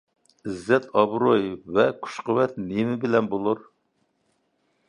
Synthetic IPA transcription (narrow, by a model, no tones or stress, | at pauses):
ɪzːɛt̪ʰɑbɾojvɛkʰu̥ʃqəwɛt̪nemɪbɪlɛnbolˠuɾ